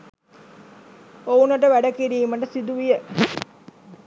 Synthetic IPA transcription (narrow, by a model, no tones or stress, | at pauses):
ounɐʈəʋæɖəkiɾiːməʈəsid̪uʋijə